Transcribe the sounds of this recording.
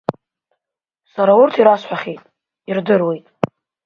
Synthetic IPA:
saɾaurtʰiɾasħʷᶣaχʲejtʼ | irdɨrwe̞jtʼ

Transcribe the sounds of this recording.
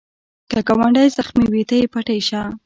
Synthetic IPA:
kakawaɳɖajzaxmiwit̪ajpaʈajʃa

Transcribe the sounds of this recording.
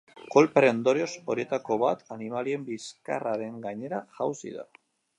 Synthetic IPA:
ko̞lpɾend̪o̞ɾeo̞so̞ɾie̞t̪ako̞βat̪animalie̞mbiska̰raɾe̞ŋɡaɲe̞ɾaʝawsḭða̰

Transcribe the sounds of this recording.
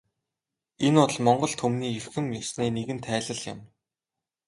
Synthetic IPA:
enʊɮmɔɴɢɞ̆ɮt̪ʰxɵmniːerxɘ̆mjʊsneːneɣɘ̆nt̪ʰæːɮə̆ɮjʊ̰̆m

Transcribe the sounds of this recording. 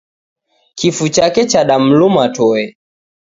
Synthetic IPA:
kifut͡ʃakɛt͡ʃaɗam̩lumatɔɛ

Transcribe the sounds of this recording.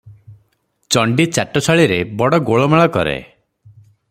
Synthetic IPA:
t͡ʃɔɳɖit͡ʃaʈɔt͡ʃʰaɭiɾebɔɽɔɡoɭɔmaɭɔkɔ̰ɾḛ

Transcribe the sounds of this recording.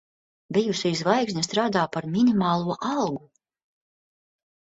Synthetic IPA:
bijuʃijzvajksʲnʲast̪ɾaːd̪aːpaɾmʲinimaːlˠuɔʔɑlˠɡu

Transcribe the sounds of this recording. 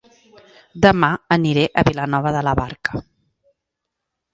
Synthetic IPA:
d̪əmaəniɾeʔəβilənɔβəðələβaɾkə̥

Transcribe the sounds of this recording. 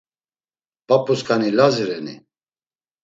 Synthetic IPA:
papʼuskʰanilaziɾɛnḭ

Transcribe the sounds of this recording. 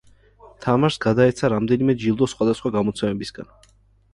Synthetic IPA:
t̪ʰamaɾsɡad̪aɛt̪sʰaɾamd̪ɛnimɛd͡ʒilˠd̪ɔsχwad̪asχwaɡamɔt̪sʰɛmɛbisɡa̰n

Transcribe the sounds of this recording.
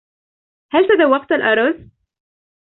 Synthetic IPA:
halt̪ad̪awːɑqt̪alʔɑɾˤɑzˤ

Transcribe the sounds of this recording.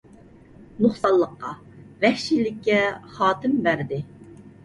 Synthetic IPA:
noχsɑlˠːəqːɑ | vɛhʃilɪkʲːɛχɑːt̪ʰɪmbæɾd̪ɪ

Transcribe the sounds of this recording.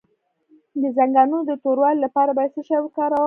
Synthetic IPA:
d̪əzaŋɡɑnod̪ət̪oɾwɑllapɑɾabasəʃawkɑɾa

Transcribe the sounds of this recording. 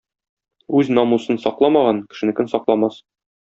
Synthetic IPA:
ʉznɒmusɤnsɒqlˠɑmɑʁɑnkɘ̥̆ʃɘ̆nɘ̆kɘnsɒqlˠɑmɑs

